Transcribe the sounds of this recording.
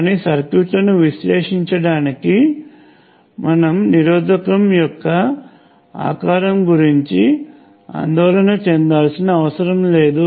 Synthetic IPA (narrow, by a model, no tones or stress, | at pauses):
nisɐɾkjuːʈlɐnuʋiʃlɛːʂiɲt͡ʃɐɽaːniki | mɐnɐmniɾɔːd̪ɐkɐmjɔkːɐ | a̰ːkaːɾɐmɡuɾiɲt͡ʃi | a̰ːnd̪ɔːlɐnɐt͡ʃɛnd̪aːlsinɐːʋɐsɐɾɐmle̞ːd̪u